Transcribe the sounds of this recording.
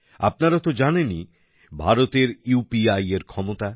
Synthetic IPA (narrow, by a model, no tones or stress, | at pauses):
a̰p̚naɾat̪od͡ʑaneni | bʱaɾot̪eɾjupiajeɾkʰɔmot̪a